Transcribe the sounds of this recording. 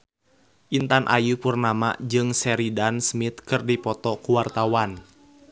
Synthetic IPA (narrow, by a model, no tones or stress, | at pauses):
ʔint̪anʔa̰jupurnama̰d͡ʒɨŋsɛɾidansmit̪kɨrdipɔt̪ɔkuwart̪awan